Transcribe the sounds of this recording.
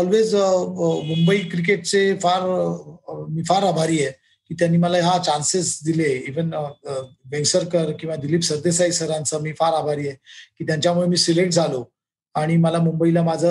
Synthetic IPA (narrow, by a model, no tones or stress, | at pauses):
ɔlʋed͡z | mumbəiːkɾik̬eʈ̚t͡sefaɾ | miːfaɾabʱaɾiːje | kiːt̪janːiːməlaɦat͡ɕansesd̪ileiʋən | bẽŋsəɾkəɾkĩw̃ʋad̪iliːpsəɾd̪esajsəɾãnt͡səmiːfaɾabʱaɾiːjɛkiːt̪jaɲt͡ɕjamuɭemiːsileʈ̚d͡zʱalo | aɽ̃iməlamumbəilamad͡zʱə